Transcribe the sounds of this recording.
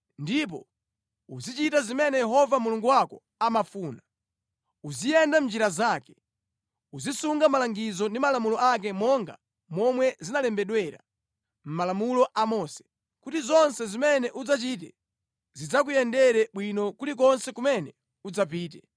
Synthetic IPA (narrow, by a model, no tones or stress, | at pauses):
ndip̬ɔ | uzit͡ʃitazimɛnɛjɛɦɔvamuluŋɡuwakɔ | amafuːna | uzijɛndam̩d͡ʒiɾazaːkɛ̥ | uzisuŋɡamalaŋɡizɔndimalamulɔak̬ɛmɔŋɡa̰ | mɔmwɛzinalɛmbɛɗwɛɾa̰ | m̩malamulɔʔamɔsɛ̥ | kutizɔnsɛzimɛnɛʔud͡zat͡ʃiːt̬ɛ | zid͡zakujɛndɛɾɛɓwinɔkulik̬ɔnsɛkumɛnɛ | ud͡zap̬iːt̬ɛ